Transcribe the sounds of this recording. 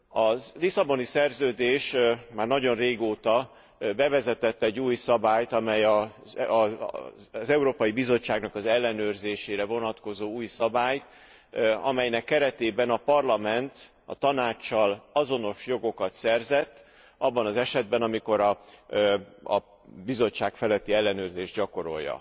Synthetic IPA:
ɒlisɒbo̞nisɛrzøːd̪eːʃmaːrnɒɟo̞nreːɡoːt̪ɒ | bɛvɛzɛt̪ɛt̪ːɛɟːuːjsɒbaːjt̪ɒmɛjɒ | zɛuɾoːpɒjibizo̞t͡ʃːaːɡnɒkɒzɛlːɛnøːrzeːʃeːɾɛvo̞nɒt̪ko̞zoːuːjsɒbaːjt̪ | ɒmɛjnɛkːɛɾɛt̪eːbɛnɒpɒrlɒmɛnt̪ | ɒ̰t̪ɒnaːt͡ʃːɒlɒzo̞no̞ʃjo̞ɡo̞kɒt̪sɛrzɛt̪ː | ʔɒbːɒnɒzɛʃɛd̪̚bɛnɒmiko̞ɾɒ | ɒ̰ | bizo̞t͡ʃːaːkfɛlɛt̪ːiɛlːɛnøːrzeːʒɟɒko̞ɾo̞̰jːɒ̰

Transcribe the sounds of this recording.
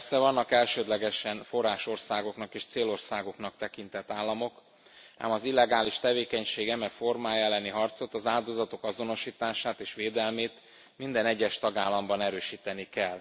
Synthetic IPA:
psɛvɒnːɒkɛlʃøːd̪lɛɡɛʃɛnfo̞rːaːʃo̞rsaːɡo̞knɒkeːʃt̪seːlo̞rsaːɡo̞knɒkt̪ɛkint̪ɛt̪ːaːlːɒmo̞k | a̰ːmɒzilːɛɡaːliʃt̪ɛveːkɛɲʃeːɡɛmɛkformaːjɛlːɛniɦɒrt̪so̞t̪ːɒzaːld̪o̞zɒt̪o̞kɒzo̞no̞ʃiːt̪aːʃaːt̪eːʃʋeːd̪ɛlmeːt̪ | mind̪ɛnɛɟːɛʃt̪ɒɡaːlːɒmbɒnɛɾøːʃiːt̪ɛnikɛl

